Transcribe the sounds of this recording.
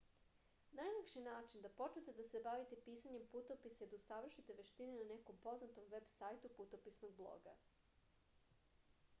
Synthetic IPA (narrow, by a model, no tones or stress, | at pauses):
najnakʃinaːt͡ʃind̪apo̞t͡ʃnet̪ed̪ase̞baʋit̪e̞piːsaɲe̞mput̪opisaid̪ausaʋr̩ʃit̪e̞ʋeʃt̪ininane̞ko̞mpo̞znat̪o̞mʋe̞bsaːjt̪uput̪o̞pisnoɡ̚blˠo̰ɡa̰